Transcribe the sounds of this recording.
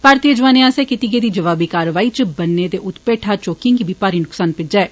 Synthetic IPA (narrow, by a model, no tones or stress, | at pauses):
paɾt̪iəd͡ʒʋaːneːaːseːkɪt̪iɡeːd̪iːd͡ʒəʋaːbiːkaːɾəʋaːiːt͡ʃbənːeːd̪eːʔʊt̪peːʈʰaːt͡ʃoːkɪ̃ŋɡibiːpaːɾiːnʊksaːnpɪd͡ʒɛː